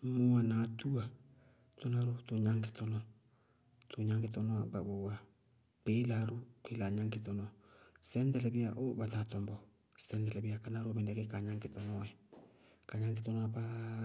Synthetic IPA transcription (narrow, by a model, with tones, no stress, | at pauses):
mu˦a˨na˨tu˦a˨ | to˦na˦ɾo˦to˨ɲa˦ŋke˨tɔ˦nɔ˨ | to˨ɲa˦ŋɡe˨tɔ˦nɔ˦a˨ba˨βo˨a˨ | pe˦la˨ɾu˦kwe˦la˨ɲa˦ŋke˦tɔ˨nɔ˨sɛ˦ndɛ˦lɛ˨βi˦a˨ʔo˦βa˨ta˨tɔ˨mbɔ˨ | sɛ˦ndɛ˨lɛ˨βi˦a˨ka˨˦na˦ɾo˦mɛ˨ndɛ˨ke˦ka˨ɲa˦ŋke˨tɔ˨nɔ˦ɛ˨ | ka˨ɲa˦ŋke˦tɔ˦nɔ˦apa˦